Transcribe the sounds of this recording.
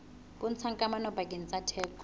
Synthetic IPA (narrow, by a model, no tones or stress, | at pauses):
bʊn̩t͡sʰaŋkʼamanɔpakʼɪn̩t͡sʼatʰɛːk